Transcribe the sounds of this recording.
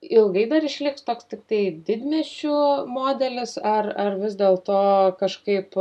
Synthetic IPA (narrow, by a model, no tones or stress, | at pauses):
ɪlˠɡɐɪd̪ɐɾɪʃʲlʲɪkst̪oːkst̪ʲɪk̚t̪ɐɪd̪ʲɪd̪ʲmʲɛʃʲumoːd̪ʲɛlʲɪsɐrɐrʋʲɪzd̪ʲeːlˠt̪oːkɐʃkɐɪp